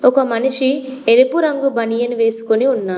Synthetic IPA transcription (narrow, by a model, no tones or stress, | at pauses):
okɐmɐnuʂielupuɾɐŋɡubɐnijɐnuʋe̞ːsu̥koniunːaː